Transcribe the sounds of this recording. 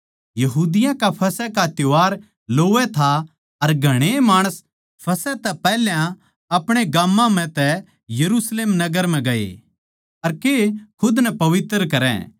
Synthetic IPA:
jɐɦuːd̪ɪjãkapʰɐsɛkat̪joʋaːɾ | loːʋɛt̪ʰa | ɐɾɡʱɐɽ̃emaːɽ̃əs | pʰɐsɛt̪ɛpɛɦljã | ɐpɽ̃eɡaːmːãm̤ɛ̃t̪ɛ | jɐɾuːsleːmnɐɡəɾm̤ɛ̃ɡɐḛ | ɐɾkekʰʊd̪nɛpɐʋɪt̪ːɾkɐɾɛ̰̃

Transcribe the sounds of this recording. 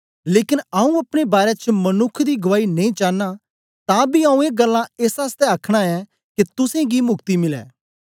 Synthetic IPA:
leːkɪnɐũɐpɽ̃ebaːɾɛt͡ʃmɐnʊkʰd̪iɡɐʋaːinɐĩt͡ʃaːnːa | t̪ãbiɐũeːɡɐlːãeːsaːst̪ɛɐkʰɽ̃aɛ | kit̪ʊsẽɡimʊkt̪imɪlɛ̰ː

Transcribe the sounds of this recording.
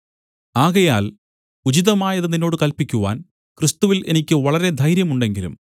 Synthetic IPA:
aːɣɐjaːl | ud͡ʑiðɐmaːjɐðɨninːo̞ːɽɨkɐlpikʲːuʋa̰ːn | krist̪uʋile̞nikʲːɨʋɐɭɐɾe̞d̪ʱɐjɾjɐmuɳɖe̞ŋɡilṵm

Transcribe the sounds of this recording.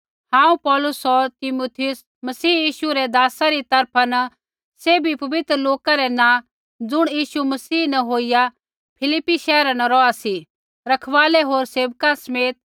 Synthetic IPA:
hãːũpɔːlʊsɔɾt̪ɪmoːt̪ʰɪjʊs | mɐsiːjiːʃuɾɛd̪aːsaɾit̪ɐɾpʰanɐ | seːbipɐʋɪt̪ɾəloːkaɾɛnã | d͡zʊɽ̃jiːʃumɐsiːnɐɦoːija | pʰɪlɪpːiʃɛːɾanɐɾɔasi | ɾɐkʰʋaːlɛɦoːɾseːʋkãsɐmeːt̪̚

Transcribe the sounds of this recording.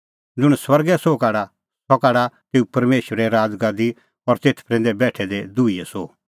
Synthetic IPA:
d͡zʊɽ̃swɐɾɡɛsokaːɽa | sɔkaːɽat̪eːupɐɾmeːʃʋəɾɛɾaːd͡zɡaːd̪i | ɔɾt̪eːt̪ʰpɾɛ̃nd̪ɛbɛːʈʰɛd̪ed̪ʊijɛsoː

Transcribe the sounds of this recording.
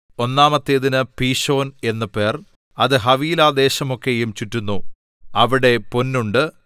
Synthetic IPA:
o̞nːaːmɐt̪ːeðinɨpiːɕo̞ːne̞nːɐpe̞ːr | ɐðɨɦɐʋiːlaːd̪e̞ːɕɐmo̞kːe̞jumt͡ɕutːunːu | ɐʋiɽe̞ponːuɳɖɨ

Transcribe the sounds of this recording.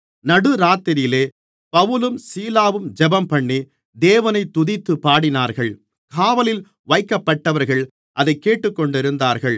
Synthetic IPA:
nɐɽɯɾaːt̪ːɪɾjɪleː | pɐʋɯlɯmsiːlaːʋɯmd͡ʒɛbɐmpɐɳːi | d̪eːʋɐnɐɪt̪ːʊðɪt̪ːɯpːaːɽɪnaːɾɣɐɭ | kʰaːʋɐlɪl | ʋɐɪkːɐpːɐʈːɐʋɐɾɣɐɭ | ʔɐðɐɪkːeːʈːɯkːɔɳɖɪɾɯnd̪aːɾɣɐɭ

